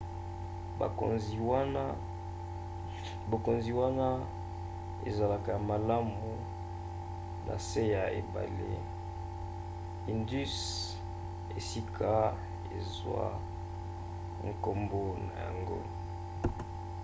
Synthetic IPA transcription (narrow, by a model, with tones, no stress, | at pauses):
ba̰˨ko̰˨nzi˨wa˦na˦ | bo˨ko˨nzi˨wa˦na˦ | ḛ˨za˨la˨ka˨ja˨ma˨la˦mu˨ | nʔa̰˨se˦ja˨e˨ba̰˨lḛ˦ | i˨ndy˦s | e˨si˦kʰa˦ | ḛ˨zwa̰˦ | ŋ˨ko˨mbo˦na̰˨ja̰˨ŋɡo̰˦